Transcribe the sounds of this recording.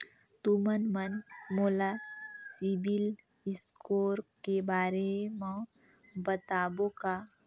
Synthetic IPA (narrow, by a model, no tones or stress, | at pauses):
t̪umənmənmoːlasibil | iskoːɾpkebaːɾemə̃ | bət̪aːboka